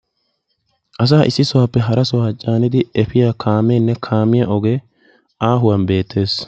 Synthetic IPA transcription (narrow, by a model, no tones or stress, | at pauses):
ʔɐs̬aːʔɪsːɪsɔwaːpːɛɦɐɾɐsɔwaːt͡ʃʼaːnɪd̪ɪɛfɪjaːkʰaːmɛnːɛkʰaːmɪjɐʔɔɡɛ | ʔaːɦʊwɐnbe̞ːt̪ʰːe̞ːs